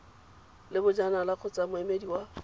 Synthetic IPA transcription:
lɪbʊd͡ʒanalak͡xʰʊt͡sʼamʊɛmediwa

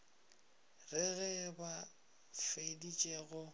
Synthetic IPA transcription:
rɪɣɛba | fedit͡ʃʼeɣʊ

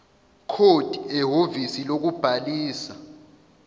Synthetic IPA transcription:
kʰod̥ʱiɛɦovisilok̬ub̥ʱaliːsa

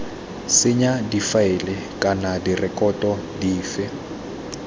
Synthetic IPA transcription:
sɪɲadifaɪlɪ | kʼanadirɛkɔtʼɔdiːfɪ

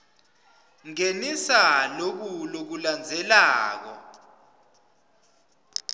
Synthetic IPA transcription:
ŋenisalok̬ulok̬uland͡zʱɛlaːk̬ɔ̰

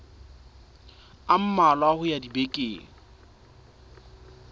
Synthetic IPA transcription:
am̩malwahʊjadibekʼeːŋ̩

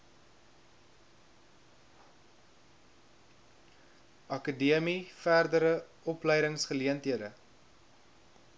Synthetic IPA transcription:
ʔɐkədiəmifærdəɾə | ɔplɛjdəŋsχəliəntɦiədə

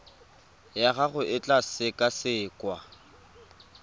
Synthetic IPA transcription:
jaɣaɣʊʔɪt͡ɬʼasɪkʼasɪːkʼwa

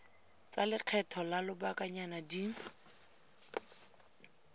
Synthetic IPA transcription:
t͡salɪq͡χʰɛtʰɔlalʊbakʼaɲanadi

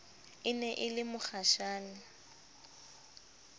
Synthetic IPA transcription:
ɪnɛʔɪlɪmʊk͡xaʃaːnɪ

